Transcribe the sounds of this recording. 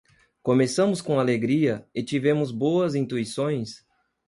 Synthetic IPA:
kõmesɐ̃mʊskõaleɡɾiɐɪt͡ʃivẽmʊzboɐzĩnt̪uisõj̃s

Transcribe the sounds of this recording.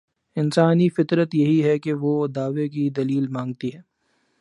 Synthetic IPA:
ɪnsaːnifɪt̪ɾət̪jɐɦiɦɛkeʋod̪aːʋekid̪ɐliːlmãːŋɡ̚t̪iɦɛː

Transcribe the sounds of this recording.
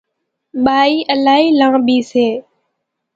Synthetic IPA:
ɓaːiːʔəlaːiːlãːɓiːseː

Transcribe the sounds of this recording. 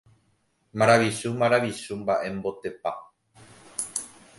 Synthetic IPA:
mãɾaʋiʃumãɾaʋiʃumbaʔe̞mbo̞t̪e̞pa

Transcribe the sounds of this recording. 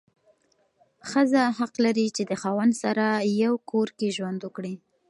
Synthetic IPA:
xəzaɦaqlaɾit͡ʃed̪əxɑwand̪saɾajawkʰoɾkeʒwand̪wʊkɽi

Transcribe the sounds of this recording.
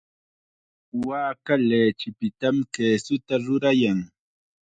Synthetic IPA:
waːkaleːt͡ʃɪpɪt̪amkeːsʊt̪aɾʊɾajaŋ

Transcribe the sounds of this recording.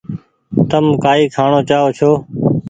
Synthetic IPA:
t̪əmkaːiːkʰaːɳoːt͡ʃaːoːt͡ʃʰoː

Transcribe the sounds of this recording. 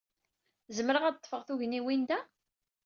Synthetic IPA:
zəmɾəʁæd̪̚t̪ˤːfəʁθuʝniwind̪æ

